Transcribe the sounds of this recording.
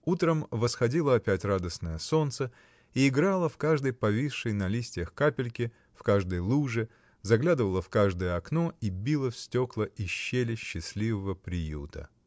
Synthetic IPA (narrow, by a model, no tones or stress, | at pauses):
ut̪ɾəmvəsxɐdʲilˠəɐpʲætʲrad̪əsnəjəso̞nt̪sə | iɪɡɾalˠəfkaʐd̪əjpɐvʲiʂːəjnɐlʲisʲtʲɪjəxkapʲɪlʲkʲɪ | fkaʐd̪əjlˠuʐɨ | zɐɡlʲad̪ɨvəlˠəfkaʐd̪əjəɐknoibʲilˠəfsʲtʲo̞klˠəʔɪɕːelʲɪɕːɪsʲlʲivəvəpɾʲɪjṵt̪ə̰